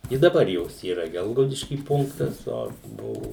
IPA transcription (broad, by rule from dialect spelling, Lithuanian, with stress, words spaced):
ɪ dɐˈbɐr ˈjoːs iːˈrɐ ˈɡʲɛlˠɡɐʊdʲɪʃʲkʲiː ˈpʊŋktɐs ˈoː ˈbʊʋʊ